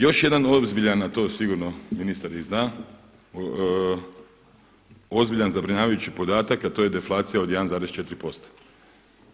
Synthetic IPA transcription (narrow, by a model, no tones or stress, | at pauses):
jo̞ʃje̞d̪ano̞zbiʎanat̪o̞ːsiɡuɾnominist̪aɾiznaː | o̞zbiʎanzabɾiɲaːʋajut͡ɕipo̞d̪aːt̪akat̪o̞je̞d̪e̞flˠaːt̪sijaoje̞d̪anzaːɾest͡ʃe̞t̪ɾipo̞st̪ḁ